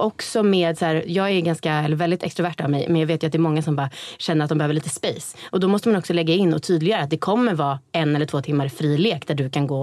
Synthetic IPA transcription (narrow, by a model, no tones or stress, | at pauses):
ʔɔksɔmeːd̪sæːɾjɑːɡæɡanskaɛlːəɾvɛld̪ɪt̪ʰɛkst̪ɾʊvæʈːaːvmɛjmɛnjɑɡveːt̪jat̪̚d̪ɛːɾmɔŋːasɔmbɑːɾaɕɛnːəɾat̪d̪ɔmbɛhøːvəɭiːt̪ə̥spejsʔɔd̪ɔmɔst̪əmanɔksɔlɛɡːaɪnːɔt̪ʰyːd̪lɪɡaɾəat̪̚d̪ɛkʰɔmːəɾvɑːɛnɛləʈʰv̥oːt̪ʰɪmːaɾfɾiːleːkd̪æɖɵkʰanɡoː